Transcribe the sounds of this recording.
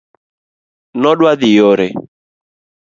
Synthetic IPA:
nɔɗwaðɪjɔɾe

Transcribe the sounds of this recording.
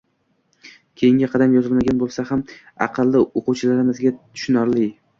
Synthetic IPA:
kʲʰejɪŋɡʲɪqʰɑd̪amjɒzɪlmaɡʲanbolˠsaham | ɑ̰qʰɨlˠːɪoqʊwt͡ʃʰɪlaɾɪmɪzɡʲat̪ʰʊ̥ʃʊnaɾlɪ

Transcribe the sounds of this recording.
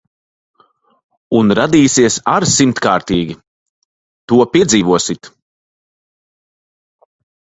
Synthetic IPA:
unɾad̪iːsiɛsaɾsimt̪kaːɾt̪iːɡʲi | t̪uɔpʲiɛd̪ziːvuɔsit̪

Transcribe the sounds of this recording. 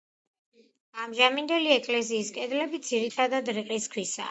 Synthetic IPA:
amʒamind̪ɛliɛkʼlɛziːskʼɛd̪lɛbid̪ziɾit̪ʰad̪ad̪ɾiqʼiskʰwisa̰

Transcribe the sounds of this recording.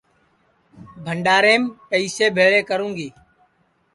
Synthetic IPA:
bʱəɳɖaːɾeːmpəiːseːbʱeːɭeːkəɾũːŋɡiː

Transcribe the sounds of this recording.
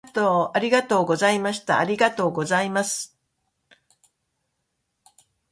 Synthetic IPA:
t̪oːaɾʲiɡat̪o̞ːɡo̞zaimaɕi̥t̪a̰ːɾʲiɡat̪o̞ːɡo̞zaimasɨ̥

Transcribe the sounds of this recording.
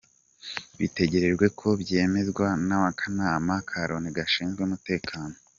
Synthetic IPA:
βite̞ɟe̞ɾe̞ʒɡwe̞kʰo̞bɟe̞ːme̞zɡwanamakʰanaːmakʰaɾoniɡaʃiːnzɡweumute̞ːkʰaːno

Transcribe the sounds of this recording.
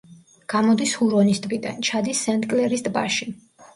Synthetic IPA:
ɡ̥amɔd̪ishuɾɔnist̪ʼbid̪a̰nt͡ʃʰad̪isːɛnt̪ʼkʼlɛɾisd̪ba̰ʃi

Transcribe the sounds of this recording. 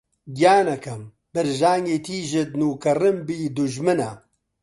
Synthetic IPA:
ɡijaːnɐkʰɐm | b̥ɨɾʒaːŋɡeːt̪ʰiːʒɪd̪nuːkɐrɨmbiːd̪ʊʒmɨnɐ

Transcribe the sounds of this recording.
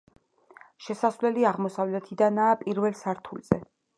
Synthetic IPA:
ʃɛsasvlɛliaʁmɔsavlɛt̪ʰid̪anaːpʼiɾvɛlsaɾt̪ʰulz̥ɛ

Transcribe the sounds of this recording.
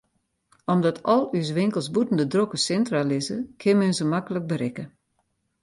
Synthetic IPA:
ɔmdɔtʰɔlˠys̬ʋɪŋkəlˠsbutən̩dədrokəsɛntralɪzə̰kʰɪnmɛnzəmakələk̚bəɾɪkə

